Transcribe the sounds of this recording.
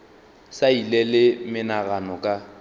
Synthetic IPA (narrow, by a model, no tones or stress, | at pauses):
sailɛlɪmɪnaɣanɔkʼa